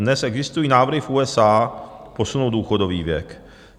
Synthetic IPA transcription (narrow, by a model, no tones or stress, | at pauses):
dnɛsʔɛɡzɪst̪ujiːnaːvɾ̩ɦɪfuːɛsaːpo̞sunowduːxodoviːvjɛ̰k